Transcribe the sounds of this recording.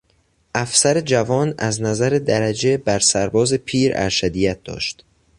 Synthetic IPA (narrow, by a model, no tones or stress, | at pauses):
ʔæfsæɾe̞d͡ʒævɒːnæ̰znæzæɾed̪æɾæd͡ʒe̞bæɾsæɾbɒːze̞pʰiːɾæ̰ɾʃæd̪ijæt̪̚d̪̥ɒ̰ːʃt̪